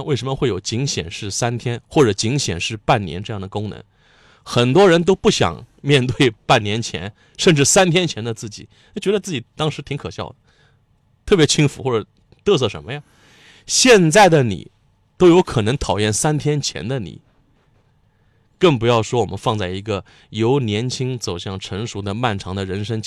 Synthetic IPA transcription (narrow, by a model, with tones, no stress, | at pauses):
we˥˩ɪʂə˧˥mə˧xwe˥˩ɪjo˨˩ʊt͡ɕi˧˥ŋɕjɛ̰˨˩nʂɻ̩˥˩sa˥nt̪ʰjɛ˥nxwɔ˥˩ʈ͡ʂɤ˨˩t͡ɕi˧˥ŋɕjɛ̰˨˩nʂɻ̩˥˧pa˥˩nnjɛ̰˧˥nʈ͡ʂɤ˥˧jɑ˥˩ŋd̪ə˩kʊ˥ŋnə̰˧˥n | xə˨˩nt̪wɔ˥ɻə˧˥nt̪̬o˥ʊpu˥˩ɕjɑ̰˨˩ŋ | mjɛ˥˧nt̪we˥˩ɪpa˥˩njɛ˧˥nt͡ɕʰjɛ̰˧˥n | ʂə˥˧nʈ͡ʂɻ̩˥˩sa˥nt̪ʰjɛ˥nt͡ɕʰjɛ˧˥nd̪ə˧t͡sɹ̩˥˩t͡ɕḭ˨˩˦ | na˧˥t͡ɕɥɛ˧˥d̪ə˧t͡sɹ̩˥˩t͡ɕi˨˩t̪ɑ˥ŋʂɻ̩˧˥t̪ʰi˧˥ŋkʰɤ˨˩ɕjɑ̰˥˩ʊd̪ə˩ | t̪ʰɤ˥˩pjɛ˧˥t͡ɕʰi˥ŋfu˧˥xwɔ˥˩ʈ͡ʂə˨˩ | t̪ʰɤ˥˧s̬ɤ˥˩ʂə̰˧˥nmə˧ja˥˧ | ɕjɛ˥˧nt͡sa˥˩ɪd̪ə˩nḭ˨˩ | t̪o˥ʊjo˧˥ʊkʰɤ˨˩nɤ˧˥ŋt̪ʰɑ˨˩ʊjɛ˥˩nsa˥nt̪ʰjɛ˥nt͡ɕʰjɛ̰˧˥nd̪ə˧nḭ˨˩˦ | kə˥˩ŋpu˧˥jɑ˥˩ʊʂwɔ˥wɔ˨˩mə̰˧˦nfɑ˥˧ŋt͡sa˥˩ɪi˧˥ɡə˧ | jo˧˥ʊnjɛ˧˥nt͡ɕʰi˥ŋt͡so˨˩ʊɕjɑ˥˩ŋʈ͡ʂʰɤ˧˥ŋʂu˧˥d̪ə˧ma˥˩nʈ͡ʂʰɑ˧˥ŋd̪ə˧ɻə˧˥nʂə˥ŋ